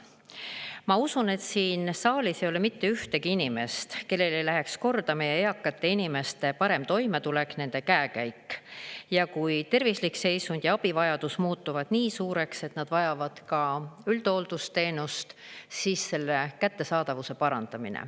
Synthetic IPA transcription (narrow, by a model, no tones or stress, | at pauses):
mɑusune̞t̪siːnsɑːlʲisejolemit̪ːe̞yht̪e̞ɡiinime̞st̪ke̞lːe̞le̞jlæɦe̞ksko̞rd̪̥ɑmejeeɑkːˑɑt̪ːˑe̞inime̞st̪e̞pɑɾe̞mt̪o̞jmet̪ule̞ksne̞nd̪̥e̞kæekæjkːjɑkujt̪e̞rvislikse̞jsund̪̥jɑɑb̥ivɑjɑd̪̥usmuːt̪ːuvɑd̪̥niːsuːɾe̞kse̞t̪nɑd̪̥vɑjɑvɑd̪̥kɑyld̪̥o̞ld̪̥ust̪e̞ːnust̪siːsːe̞lːe̞kæt̪ːe̞sɑːd̪̥ɑvuse̞pɑɾɑnd̪̥ɑminḛ